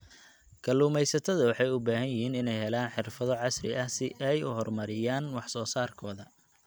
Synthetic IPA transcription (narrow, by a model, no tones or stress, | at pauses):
kʰɐluːmɛjsɐt̪ʰɐðɐwɑħɑjʊbaːɦɐjɪɦiːnɪnɛjɦɛlaːnħɪrfɐðɔʕɑsrɪ̰ʔɐsɪʔɛjʊɦɔrmɐɾɪjaːnwɑħsɔːsaːrkʰɔːðɐ